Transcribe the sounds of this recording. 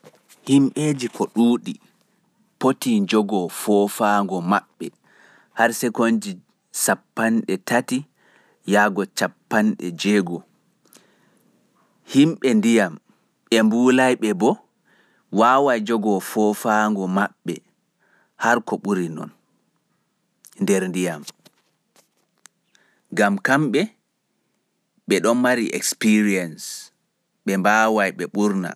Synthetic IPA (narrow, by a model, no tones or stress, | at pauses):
himɓeːd͡ʒikʰɔɗuːɗi | potid͡ʒɔɡɔfɔfaŋɡɔmaɓːɛ | haɾsɛkond͡ʒi | sapːanɗɛtati | jaːɡɔt͡ʃapːanɗɛ̰d͡ʒɛːɡɔ | himɓɛndijam | ɛmbuːlajɓɛbɔ | wawajd͡ʒɔɡɔfɔfaːŋɡɔmaɓːɛ | haɾkɔɓuɾinɔ̰n | ndɛɾndijam | ɡamkamɓɛ | ɓɛɗɔnmaɾiʔɛ̰kspiɾiɛns | ɓɛmbaːwajɓɛɓuɾna̰